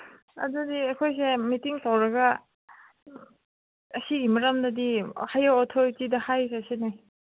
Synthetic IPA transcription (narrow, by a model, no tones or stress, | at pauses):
a̰dudiɐkʰojs̬emitiŋsawɾɐɡa | ɐsiɡimaɾamdadihajaɔtʰojtidahajsɐsinaj